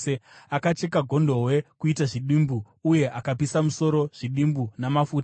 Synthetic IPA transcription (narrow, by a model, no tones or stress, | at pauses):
eakat͡ʃe̞kaɡʱo̞ndo̞we̞kuitaʐiɗimbu | uje̞ʔakapisamuso̞ɾo̞ʐ̥iɗimbunamafuːta